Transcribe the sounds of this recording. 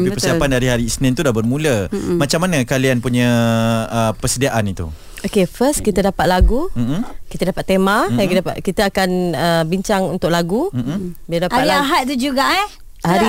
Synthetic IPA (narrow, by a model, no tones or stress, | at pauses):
pipəssiapandaɾiɦaɾiːsnɪ̃nt̪udabərmuləmat͡ʃamanakalianpuɲə̃əpəsədiaʔanit̪ṵ | okefəstkit̪ədapat̪̚laɡum̩kit̪ədapat̪ːemadapa̰kit̪əakanəbiɲt͡ʃaŋunt̪ʊʔ̚laɡubiladapaiaɦat̪̚t̪ud͡ʒuɡaʔa | haɾi